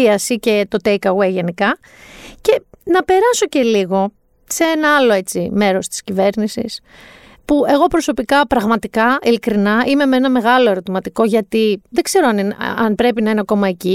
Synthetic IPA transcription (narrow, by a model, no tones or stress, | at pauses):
iɐsice̞t̪o̞t̪ejkɐɣwe̞jʝe̞nikɐ | ce̞nɐpe̞ɾɐso̞ce̞liɣo̞ | see̞nɐɐlo̞e̞t͡sime̞ɾo̞st̪i̥scive̞ɾnisḭs | pue̞ɣo̞pɾo̞so̞pikɐpɾɐɣmɐt̪ikɐilikɾinɐʔime̞menɐme̞ɣɐlo̞e̞ɾo̞t̪imɐt̪iko̞ʝɐt̪iðeɡz̥e̞ɾoɐninɐnpɾe̞pinɐineɐko̞mɐe̞ci